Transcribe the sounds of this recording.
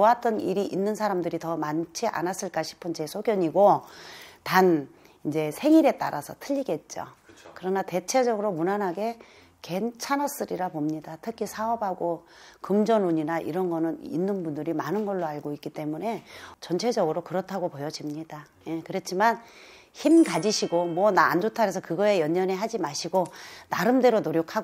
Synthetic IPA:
oat͈ʌnḭɾiʔinːɯnsʰaɾamdɯɾitʌmant͡ɕʰiʔa̰nas͈ɯɭk͈aɕʰi̥pʰɯnt͡ɕe̞sʰoɡjʌɲiɡo | tan | ind͡ʑe̞sʰe̞ŋiɾe̞t͈a̰ɾasʰʌtʰɯʎːiɡe̞t̚t͡ɕ͈o̰ | kɯɾʌnate̞t͡ɕʰe̞d͡ʑʌɡɯɾomunanɦaɡe̞ | ke̞nt͡ɕʰanʌs͈ɯɾiɾapomɲidatʰɯkʰisʰaʌbaɡo | kɯmd͡ʑʌnuɲinaʔḭɾʌnɡʌnɯnḭnːɯnbundɯɾimanɯnɡʌɭːoaɭɡoik͈it͈e̞mune̞t͡ɕʌnt͡ɕʰe̞d͡ʑʌɡɯɾokɯɾʌtʰaɡopojʌd͡ʑimɲida | je̞kɯɾet͡ɕʰiman | çimkad͡ʑiɕʰiɡomwʌna̰ːnd͡ʑotʰaɾe̞sʰʌkɯɡʌe̞jʌɲːʌneɦad͡ʑimaɕʰiɡonaɾɯmde̞ɾonoɾjokʰa

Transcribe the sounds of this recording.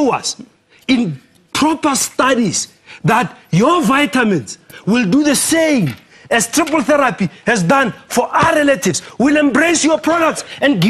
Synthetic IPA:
a̰s | ĩn | pʰɹɔpʰastadis | ðatjɔvajtʰamɛ̃ntswilduðəsẽjm | ɛstʰɹiplθɛɾapʰihɛzdãnfɔʔaɾɛlatʰivswilɛ̃mbɹejsjɔpʰɹɔdak̚tsɛ̃nɡi

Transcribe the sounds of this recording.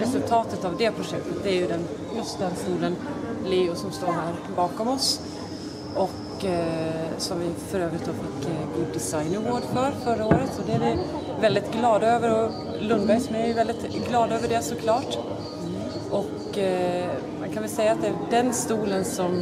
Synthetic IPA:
ɾɛsɵlt̪ʰɑːt̪ət̪avd̪ɛpʰɾʊʂɛk̚t̪ət̪̚d̪ɛæɾjɵd̪ɛn | jɵst̪̚d̪ɛnst̪uːlənlɪʊsɔmst̪oːɦaɾ | bɑːkɔmɔs | ʔɔk | sɔmvɪfœɾøːvɾɪt̪̚d̪oːfɪkːɡuːd̪ːɪsajnɪŋoːɖfœːɾfœɾːaoːɾət̪ɔd̪ɛæɾɪ | vɛld̪ɪt̪ɡlɑːd̪øːvəɾɔ | lɵnd̪bæjsɔmææɾjɵvɛld̪ɪt̪ɡlɑːd̪øːvəɖɛsɔkʰlɑːʈ | ʔɔk | mankʰanʋɛlsɛjːaːt̪̚d̪ɛæɖɛnst̪uːlənsɔm

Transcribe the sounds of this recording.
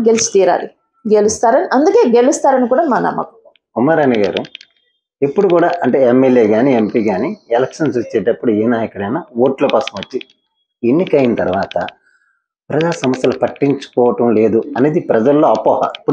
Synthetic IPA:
ɡelsu̥t̪iːɾa̰ːli | ɡelust̪aːɾɐniʔɐnd̪uke̞ːɡelust̪aːɾɐnikuːɽaːmaːnɐ̰mːɐ̰ku | umːaːɾaːniɡaːɾu | epːuɽukuːɽaːʔɐɳʈe̞emːeleːɡaːniempiːɡaːniɛlɐkʂɐnsut͡ʃːɛːʈɐpːuɽuɛːnaːjɐkuɽɐjnaːoːʈlɐpɐːsɐmʋɐt͡ʃːi | enːikɐjinɐt̪ɐɾʋaːt̪ɐ̰ | pɾɐd͡ʒaːsɐmɐsjɐlɐpɐʈːiɲt͡ʃu̥kɔːʋɐʈɐmle̞ːd̪uɐneːd̪ipɾɐd͡ʒɐlːoːɐpːɔːhɐ̰pːu

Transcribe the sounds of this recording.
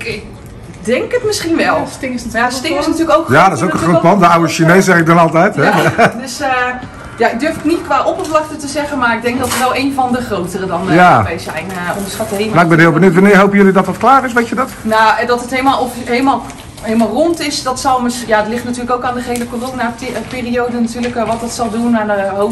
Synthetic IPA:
ɪ | dɛŋkətmɪsχinʋɛlˠstɪŋsjastɪɪsnatyːləkowkjadɔtɪsowkə̃χrotpɑndəawəʃinejsɛχɪk̚dɔnɑlˠtɛjtɛdøs | jaɪɡ̚dørfɪknitkʋaːʔɔpəplɔxtətəzɛɣənmarɪɡ̚dɛŋk̚dɔtəʋɛlˠejnvɔndəχrowtərədɔnjaejsɛjnɔmdəsχatəɦenaɪɡbɛnhɪːlˠbənutʋanɪːɹɦowpəjɵlidɔtɑtklaːɾɪsʋetədɔtnadɔtətɦejlˠmalˠɔfɦelˠmalˠ | ɦelˠmalˠrɔntɪsdɔtsɔlˠməsjaətlɪχtnatyːləkowkaːndəχɦejləkoloŋnaːpɪːriowdənatyːləkʋɔtɔtsɑlˠdunadəɦo

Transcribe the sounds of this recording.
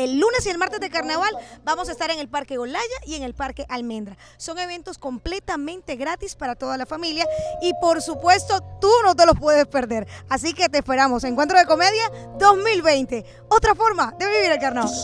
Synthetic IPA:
e̞lːune̞sie̞lmaɾt̪e̞zðelkaɾnaβalbamos̬aest̪aɾe̞ŋe̞lpaɾke̞ɣo̞laʝaie̞ŋe̞lpaɾke̞ʔalmẽ̞nd̪ɾa | so̞ŋe̞β̞e̞nt̪o̞sko̞mple̞t̪amẽ̞nt̪e̞ɣɾat̪ispaɾat̪o̞ðalafamiljaipo̞ɾsupwe̞st̪o̞t̪uno̞t̪̬elo̞spwe̞ðe̞spe̞ɾðe̞ɾasike̞t̪eːspe̞ɾamo̞seŋkwe̞nt̪ɾoðe̞ko̞me̞ðjaðo̞zmilβe̞jnt̪e̞ | o̞t̪ɾafo̞ɾmad̪e̞βeβiβiɾelkaɾnaβal

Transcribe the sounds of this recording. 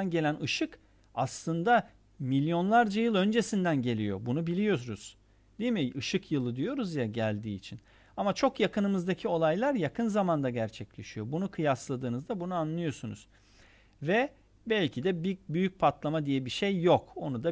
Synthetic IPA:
nɟe̞lʲænɯʃɯk | aslˠɯnd̪a | milʲjo̞nlˠaɾd͡ʒajɯlˠø̞nd͡ʒe̞sind̪ænɟe̞lʲijo̞̰bunubilʲijo̞sunuz̥ | d̪̥iimiɯʃɯkjɯlˠɯd̪ijo̞ɾuzjaɟælʲd̪iːt͡ʃʰin | amat͡ʃʰo̞kjakɯnɯmɯzd̪acʰio̞lˠajlˠaɾjakʰɯnzamand̪aɟæɾt͡ʃʰɛclʲe̞ʃijo̞bunukʰɯjaslˠad̪ɯːnɯzd̪abunuanlˠɯjo̞sunṵz̥ | vɛ | bælʲcʰid̪ɛbibyjyc̚pʰat̪lˠamad̪ijɛbiʃejːo̞ko̞nud̪a

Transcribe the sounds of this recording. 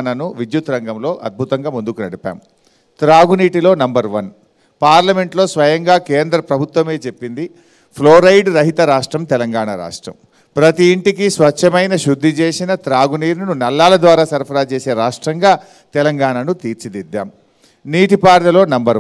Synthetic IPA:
nɐnuʋid̪jut̪ɾɐŋɡɐmlo̞ːʔɐd̪̚bʱut̪ɐŋɡaːmund̪ukunɐɽipa̰ːm | t̪ɾaːɡuniːʈilo̞ːnɐmbɐɾʋɐn | paːɾlɐme̞ɳʈlo̞ːsʋɐjɐŋɡaːkeːnd̪ɾɐpɾɐbʱut̪ʋɐme̞ːt͡ʃe̞pːind̪i | pʰloːɾɐjɖɾɐɦit̪ɐɾaːʂʈɾɐmt̪ɛlɐŋɡaːɳaɾa̰ːʂʈɾɐ̰m | pɾɐt̪iːɳʈikisʋɐt͡ʃːt͡ʃʰːɐmɐjnɐʃud̪ʱːit͡ʃeːsinɐt̪ɾaːɡuniːɾnunɐlːaːlɐd̪ʋaːɾaːsɐɾpʰɐɾaːt͡ʃe̞ːse̞ːɾaːʂʈɾɐŋɡaː | t̪ɛlɐŋɡaːɳanut̪iːɾt͡ʃid̪id̪ːa̰ːm | niːʈipaːɾlɐlo̞ːnɐmbɐɾ

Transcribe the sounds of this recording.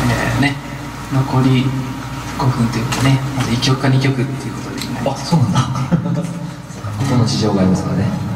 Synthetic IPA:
ḛne | no̞ko̞ɾʲi | ɡ̥o̞ɸɯ̟̃nt̪ejɯ̟kane̞mazɨit͡ɕʲio̞kɯ̥kːaɲ̟ikʲo̞kɯ̟t̪ːe̞iɯ̟ko̞t̪o̞d̪ḛmonaiassoːnãnd̪a | okːakot̪ːonot͡ɕiʑo̞ːɡaɾʲimasɨɡa̰ne

